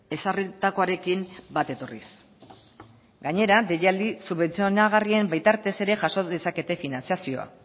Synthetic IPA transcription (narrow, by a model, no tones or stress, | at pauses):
e̞sarit̪ako̞aɾe̞kimbat̪e̞t̪o̞rḭs | ɡaɲe̞ɾad̪e̞jald̪isuβe̞nt͡sionaɣarie̞mbajt̪aɾt̪e̞se̞ɾe̞ʝaso̞ðe̞sake̞t̪e̞finant͡siasio̞a̰